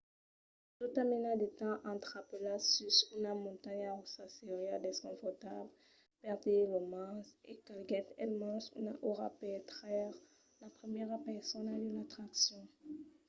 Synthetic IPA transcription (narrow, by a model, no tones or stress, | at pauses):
t̪ut̪amenad̪et̪ɑ̃ʔɑ̃t̪χapəlasysynamɔ̃t̪aɲaʁusaseʁjad̪eskɔ̃fɔʁt̪abl | pɛʁd̪elɔmasekalɡɛt̪ɛlmɑ̃sṵna̰ʔoʁa̰pɛt̪χɛʁ | lapχəmjɛʁapɛsɔnad̪əlat̪χaksjɔ̃